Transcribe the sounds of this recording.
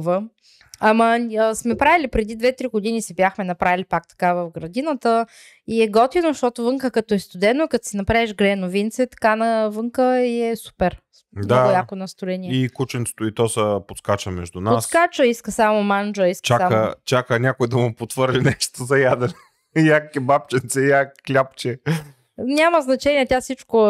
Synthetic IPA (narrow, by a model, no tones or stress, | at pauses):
və | ɐmɐsmɛpɾavilipɾɛd̪id̪vɛt̪ɾiɡod̪inisɛbʲjaxmɛnɐpɾavilipak̚t̪ɐ̥kavɐfɡɾɐd̪inət̪ə | iɛɡɔt̪inoʃt̪ɔt̪ʊvɤŋkəkɐt̪oɛst̪ʊd̪ɛnːoikɐt̪sinɐpɾaɛʒɡɾɛnovint̪sɛt̪ɐ̥kanɐvɤŋkəiɛsu̥pɛɾ | d̪nɔaʊlʲakonɐst̪ʊɛniɛikut͡ʃɛnt̪se̥t̪oit̪ɔsɐpot̪skat͡ʃəmɛʒd̪unatsskat͡ʃəiskəsamomand͡ʒəiskt͡ʃaamkə̰t͡ʃakənʲakoid̪ɐmopot̪vəɾlʲinɛʃt̪ozɐjad̪ɛɾɛ | jakkɛbap̚t͡ʃɛnt̪sɛjakklʲapt͡ʃɛ | nʲaməznɐt͡ʃɛnʲiɛt̪ʲasit͡ʃko